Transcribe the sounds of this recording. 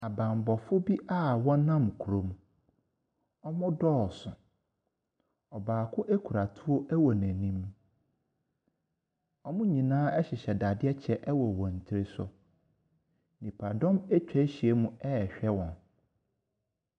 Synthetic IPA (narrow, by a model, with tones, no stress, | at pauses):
a˨bã˨m˨bɔ˨fʊ˦bi˦ʔa˦wɔ̃˦nã˦˨m˨kʰu˨ɾo˨mũ˨ | ɔ˦mʊ̃˦dɔː˦˨sʊ˨ | ɔ˨baː˨kʰʊ˦ʔɛ˦kʰu˨ɾa˨tʰʊ˦o˦ʔɛ˦wɔ˨nɛ̃˨nĩ˦m | ɔ˦mʊ̃˦ɲĩ˨nãː˦ɛ˦ɕɪ˨ɕɛ˨da˨dɪ˦ɛ˦t͡ɕʰɛ˦˨ʔɛ˦wɔ˨wɔ̃˨n̩˨tʰɪ˦ɾɪ˦sʊ̰˨ | nĩ˨pʰa˨dɔ̃˦mɛ˦t͡ɕᶣɛ˦ɕi˨e˦mũ˦ɛ˦˨ɕᶣɛ˦wɔ̃˨n